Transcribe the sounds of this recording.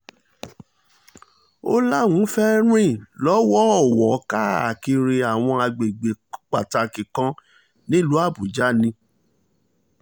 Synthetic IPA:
o˦la˦˨wũ˨˦fɛ˦ɾ̃ĩ˦˨lɔ˨˦wɔ˦˨wɔ˨ka˦˨a˨ki˧ɾi˧a˨w̃ɔ̃˧a˧ɡ͡be˨ɡ͡be˨k͡pa˨ta˧kĩ˨kã˧˦ | nĩ˦˨lu˨˦a˦˨bu˨d͡ʒa˦˨nĩ˧

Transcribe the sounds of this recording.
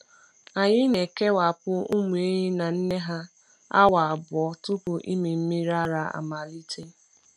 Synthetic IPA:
a˨ɲɪ˦ne˨ke˦wa˨pʊ˦u˦mu˨e˦ɲi˦na˨n̩˦ne˦ɦa˦ | a̰˦wa˨a˨bɔ˦tʊ˦kʊ˨ʔi˦mi˨m̩˦mi˦ɾa˦ɾa˨a̰˨ma˨li˦tʰe˦

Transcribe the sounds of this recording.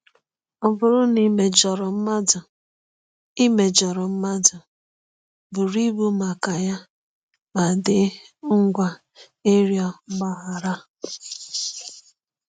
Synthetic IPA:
ɔ˨bʊ˨ɾʊ˦ni˨me˨d͡ʒɔ˨ɾɔ˨m̩˦ma˦dʊ˨ | i˦me˨d͡ʒɔ˨ɾɔ˨m̩˦ma˦dʊ˨ | bʊ˨ɾi˦bu˦ma˨ka˨ja˦ | ma˨dɪ˦ | ŋ̩˦ɡʷa˨ | e˦ɾjɔ˦ɡ͡ba˨ɦa˨ɾa˦

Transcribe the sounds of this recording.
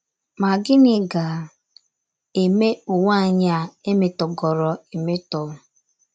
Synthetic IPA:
ma˨ɡɪ˦nɪ˨ɡa˨ | e˨me˦u˨ŋa˦˨ɲa˨e˦me˨tɔ˨ɡɔ˨ɾɔ˨e˨me˦tɔ˨˦˨

